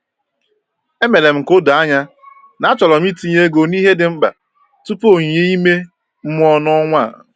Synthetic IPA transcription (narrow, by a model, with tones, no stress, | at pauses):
e˦me˨le˨m̩˨ko˦da˦ɲa˦ | na˨˦a˦t͡ʃɔ˨lɔ˨m̩˦i˦ti˦ɲe˦ɡo˨ni˦ɦe˦dɪ˨m̩˦ɡ͡ba̰˨ | tu˦po˦˨ɲ˨e˦i˦me˦ | m̩˦m˦ɔ˦nɔ˦ŋʷa˦˨